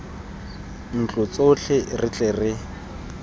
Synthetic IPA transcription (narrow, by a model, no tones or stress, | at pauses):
n̩t͡ɬʼʊt͡soɬʰɪrɪt͡ɬʼerɪ